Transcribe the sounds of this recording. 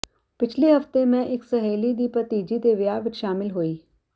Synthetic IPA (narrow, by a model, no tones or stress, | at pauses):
pɪt͡ʃʰleɦɐft̪emɛ̃ʔɪksɐɦeːlid̪iːpət̪iːd͡ʒid̪eʋɪjaʋɪt͡ʃʃaːmɪlɦoːiː